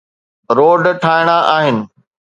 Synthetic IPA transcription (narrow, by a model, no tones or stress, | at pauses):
ɾoːɖʈʰaːɪɽ̃aʔaːɦɪnɪ̆